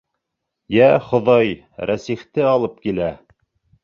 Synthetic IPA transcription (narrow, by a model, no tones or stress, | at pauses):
jæχŏðɑj | ɾæsiχt̪ɘɑlˠɤp̚kilæ